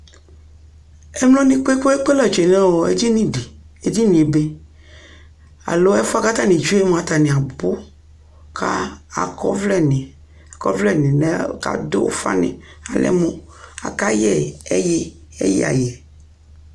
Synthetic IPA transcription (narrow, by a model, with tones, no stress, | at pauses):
e˦mlɔ̃˦nĩ˦k͡po˦e˦ko˦e˦k͡pe˦la˨d͡ʒe˨nɛ̃˦wɔ˨e˦d͡ʑi˦nĩ˦ɖi˨ | e˦d͡ʑi˦nĩ˨e˨be˦ | a̰˨lo˦ɛ˦fo˦a˦ka˦t̪a˦nĩ˨d͡ʒu˦e˦mõ˨a˨t̪a˨nɪ̃˨a˨bo˦ | kʰa˦a̰˨kɔ̰˦vlɛ˦nɪ̃˨ | a˨kɔ˦vlɛ˦nɪ̃˨nɛ˨ka̰˦˨do˦o̰˦fa̰˦nɪ̰̃˨a˨lɛ̰˦mõ˦ | a̰˨ka˦jɛ˦˨e˦jɛ˦ | ḛ˦jɛ̰˦˨a̰˨jɛ˨